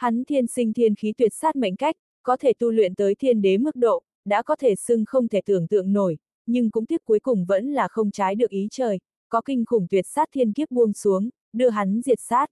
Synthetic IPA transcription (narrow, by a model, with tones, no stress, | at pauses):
ha˨˦nt̪ʰi˧ənsï˧ŋ̟t̪ʰi˧ənxi˨˦t̪wi˨˩ət̚saː˦˥t̚ma̰˧˨jŋ̟ka˦˥jk̟̚ | kɔ˨˦t̪ʰe˧˩t̪u˧lwḭ˧˨ənt̪əː˨˦jt̪ʰi˧ənɗe˨˦mɨ˦˥k̚ɗo̰˧˨ | ɗa̰ː˧˥kɔ˨˦t̪ʰe˧˩sɨ˧ŋxə˧wŋ͡mt̪ʰe˧˩t̪ɨ̰˧˩əŋt̪ɨ̰˧˨əŋno˧˩j | ɲɨ˧ŋkʊ̰˧˥ŋ͡mt̪ʰi˦˥əp̚kːu˨˦jkʊ˨˩ŋ͡mvə̰˧˥nlaː˨˩xə˧wŋ͡mt͡ɕaː˨˦jɗɨ˨˩ək̚ʔi˨˦t͡ɕəː˨˩j | kɔ˨˦kï˧ŋ̟xʊ˧˩ŋ͡mt̪wi˨˩ət̚saː˦˥t̚t̪ʰi˧ənki˦˥əp̚ɓu˧əŋsu˨˦əŋ | ɗɨ˧əɦa˨˦nzi˨˩ət̚saː˦˥t̚